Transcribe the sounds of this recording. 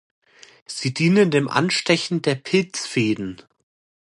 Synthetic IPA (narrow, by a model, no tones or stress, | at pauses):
z̥iːdiːnəndeːmʔa̰nʃtɛçn̩deːɐpʰɪlt͡sfeːdn̩